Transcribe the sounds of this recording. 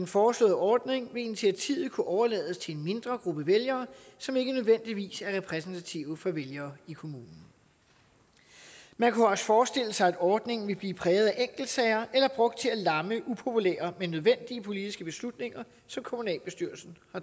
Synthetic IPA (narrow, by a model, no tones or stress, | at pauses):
d̥enfɒːslɔ̰̽ːðˠɒːd̥ne̝ŋʋe̝init͡sʰiæt͡sʰḭːʊ̰ð̩ˠkʰuʔɒʊɐlɛ̰ːð̞ˠəst͡sʰe̝enme̝nd̥ʁɐɡ̥ʁub̥əʋeljɐːsɒ̽me̝ɡ̥ənøð̞ˠʋen̰d̥iʋḭːsæɐʁɛpʰʁɛs̬n̩t͡sʰæt͡sʰiʊðfɒ̽ʋeljɐːikʰo̝muːnn̩ | mænkʰuɒ̽sfɒːsd̥e̝l̰əsɑɪæd̥ɒːd̥ne̝ŋn̩ʋe̝lb̥liːpʰʁɛːʊðˠæʔeŋ̰ɡ̥l̩d̥sɛɪɐʔelɐb̥ʁɔ̽ɡ̥̚d̥̚t͡sʰe̝ælɑ̈məʔupʰo̝pʰulḛːɐmenːøð̞ˠʋen̰d̥iəpʰo̝lid̥isɡ̥əb̥e̝slud̥ne̝ŋɐ | sɒ̽mkʰo̝munɛ̰ːlb̥e̝sd̥yɐ̰lsn̩hɑ̈